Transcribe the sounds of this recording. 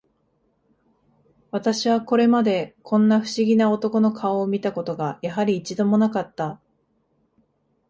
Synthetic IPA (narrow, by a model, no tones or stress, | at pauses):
βat̪aɕiβ̞ako̞ɾe̞mad̪e̞kʰõ̞nːaɸɯ̟̥ɕiɡʲinao̞t̪o̞ko̞no̞kʰao̞ːmʲit̪ako̞t̪o̞ɡajaɦaɾʲiːt͡ɕid̪o̞mo̞nakat̪ːa